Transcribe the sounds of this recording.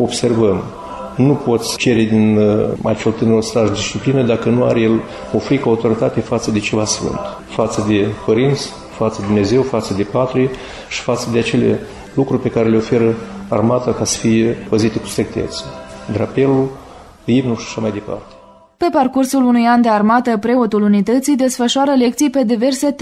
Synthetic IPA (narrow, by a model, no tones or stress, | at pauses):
o̞bse̞rvəm | nupo̞t̪sʲt͡ʃe̞ɾed̪ina̰t͡ʃe̞lt̪ɨneɾust̪aʒd̪isʃt͡ʃiplinəd̪akənua̰ɾejel | ofɾikoaut̪o̞ɾit̪at̪efat̪səd̪e̞t͡ʃe̞vasfɨ̰nt̪ | fat̪səd̪e̞xoɾint̪sə̥ | fat̪səd̪ed̪umne̞ze̞wfat̪səd̪e̞pat̪ɾi | ʃi̥fat̪səd̪eat͡ʃe̞lḛ | lukɾurʲpe̞kaɾe̞leo̞fe̞ɾəarmat̪akasə̥fije̞pəzit̪e̞ku̥st̪ɾek̚t̪e̞̰t̪sə̥d̪ɾape̞lul | ibnuʃiḁʃamajd̪e̞pa̰rt̪e̥ | pe̞parkursulunujand̪e̞armat̪əpɾe̞ot̪ulunit̪ət̪sijd̪e̞sfəʃʊaɾəle̞k̚t̪sijpe̞d̪ive̞rse̞t̪